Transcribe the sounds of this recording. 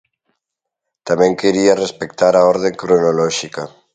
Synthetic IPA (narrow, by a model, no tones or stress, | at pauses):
t̪amẽŋkeɾiarespekt̪aɾaɔɾðeŋkɾonolɔʒika